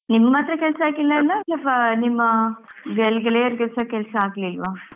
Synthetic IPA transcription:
nimːɐmaːt̪ɾɐkɛlsɐaːɡilːɐlːalːɐpɐnimːɐbɛlɡɐleːɐɾkɛlsɐkɛlsɐaːɡlilʋaː

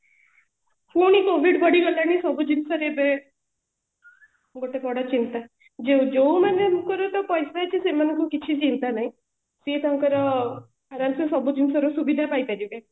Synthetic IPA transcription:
pʰunikobʱiɖbɔɽiɡɔlañisɔbud͡ʒinsɔɾebe | ɡoʈepɔɽat͡ʃint̪a | d͡ʒewd͡ʒowmanemukɔɾɔt̪ɔpɔjsat͡ʃʰisemanɔŋkukit͡ʃʰit͡ʃint̪anaɦĩ | set̪ɔɦɔ̃ŋkɔɾɔ | aɾansesɔbud͡ʒinsɔɾɔsubid̪ʱapaipaɾibe

